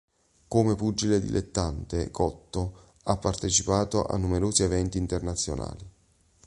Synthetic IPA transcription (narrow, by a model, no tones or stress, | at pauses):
komepud͡ʒːiled̪ḭlʔḛt̪ːant̪ekɔt̪ːo | apːart̪et͡ʃipaːt̪oʔa̰nːumeɾoːzievɛnt̪iːnt̪ernat̪sːjo̰na̰ːli